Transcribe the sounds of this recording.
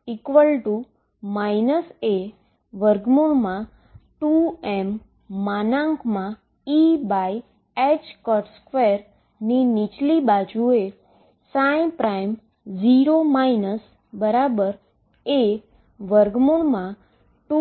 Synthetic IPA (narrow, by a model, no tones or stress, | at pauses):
ikʋəlʈu | mainəse | ʋəɾɡmoɳmã | ʈuɛmː | anãŋkmã | ibaj | et͡ʃkɔʈskʋeɾ | ninit͡ʃlibad͡ʒue | saj̃pɾaim | d͡ʒiɾomainəs | bəɾabəɾ | e | ʋəɾɡmoɳmã | ʈu